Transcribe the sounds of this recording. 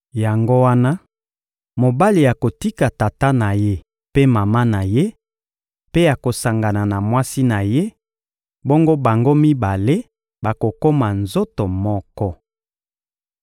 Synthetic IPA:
ja˨ŋɡo˦wa˦na˦ | mo˨ba˦li˨ja˨ko˨ti˦ka˨ta˨ta˦na˨je˦ | pe˦ma˨ma˦na˨je˦ | pe˦ja˨ko˨sa˨ŋɡa˨na˨na˨mwa˦si˦na˨je˦ | bo˦ŋɡo˦ba˨ŋɡo˦mi˦ba˨le˦ | ba˨ko˨ko˦ma˨nzo˦to˨mɔ˦kɔ˦

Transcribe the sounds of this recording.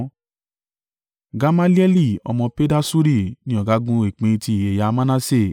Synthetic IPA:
ɡa˧ma˦li˦ɛ˦li˦˨ɔ̰˧mɔ̃˧pe˦da˦su˦ɾi˦˨nĩ˨˦ɔ˦˨ɡa˨˦ɡũ˦e˨k͡pẽ˨˧tʰi˧˨e˨ja˧mã˦nã˦se˦˨

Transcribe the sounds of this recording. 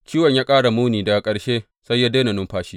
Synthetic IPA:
t͡ʃiː˦wɐ˨ɲjaː˦kʼaː˦ɽa˨muː˦niː˨da˨kʼɐ˨ɽʃeː˦ | sa˦jːaː˦deː˦na˨nʊ˦mɸaː˦ʃiː˦

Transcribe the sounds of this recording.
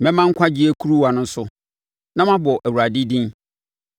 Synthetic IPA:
mɛ̃˦mã˦ŋ̩˦kʷʰa˦d͡ʑi˦e˦kʰu˦ɾu˦wa˨nʊ̃˦n˦sʊ˦ | nã˦mã˦bɔ˨ʔæ˨wu˨ɾa˨dɪ˦dĩ˦n

